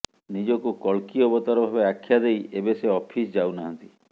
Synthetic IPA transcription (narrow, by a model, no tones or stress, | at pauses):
nid͡ʒɔkukɔɭkiɔbɔt̪ɔɾɔbʱabeakʰːjad̪ejebeseɔpʰisd͡ʒawnaɦant̪i